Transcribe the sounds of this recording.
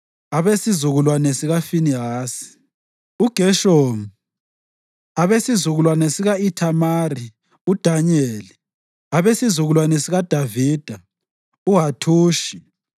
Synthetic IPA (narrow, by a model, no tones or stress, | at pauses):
aβesizuɣulwanɛsiɣafiniɦaːsi̥ | uɡ̥ʱɛʃomu | aβesizuɣulwanɛsiɣaitʰamaːri | ud̥ʱaɲeli | aβesizuɣulwanɛsiɣad̥ʱaviːd̥ʱa | uɦatʰuːʃi